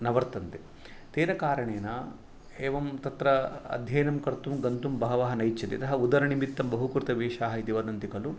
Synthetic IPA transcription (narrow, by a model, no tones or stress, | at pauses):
nɐʋɐɾt̪ɐnt̪e | t̪eːɾɐkaːɾɐɳeːnɐ | eːʋɐmt̪ɐt̪ɾɐɐ̰d̪ʱjɐjnɐmkɐɾt̪umɡɐnt̪umbɐɦɐʋɐːɦɐnɐjt͡ʃːɐt̪ḭɐ̰t̪ɐɦɐud̪ɐɾɐɳimit̪ːɐmbɐɦukuɾt̪ɐʋeːʃaːɦɐid̪iʋɐd̪ɐnt̪ikɐlu